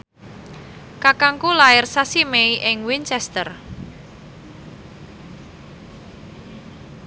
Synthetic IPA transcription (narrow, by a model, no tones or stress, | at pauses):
kakaŋkulaɪrsasimeiʔɪŋwint͡ʃɛst̪ər